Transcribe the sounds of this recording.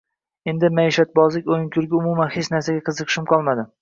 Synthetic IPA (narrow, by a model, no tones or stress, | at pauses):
e̞nd̪ɪmaiʃat̪̚bɒzlɪkʲojɪŋkʲʰʊɾɡʲaʊmumanhet͡ʃnaɾsaɡʲaqʰɨzɨqʰɨ̥ʃɪmqʰɒlˠmad̪ɪ